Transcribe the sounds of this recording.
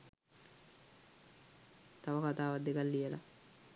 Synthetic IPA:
t̪aʋəkat̪aːʋad̪ːekalːijəla̰

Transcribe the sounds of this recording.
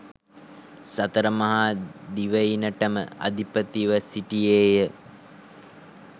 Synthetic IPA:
sɐt̪əɾəmɐɦad̪iʋəjinəʈəmə̰a̰d̪ipət̪iʋəsiʈieːjə

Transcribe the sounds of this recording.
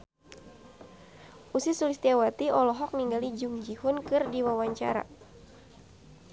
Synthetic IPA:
ʔusisulist̪iawat̪iɔlɔɦɔk̚niŋɡalid͡ʒuŋd͡ʒihʊnkɨrdiwawaɲt͡ʃa̰ɾa̰

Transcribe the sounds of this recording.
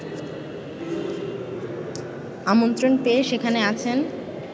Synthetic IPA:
amont̪ɾonpeʃekʰaneat͡ɕʰen

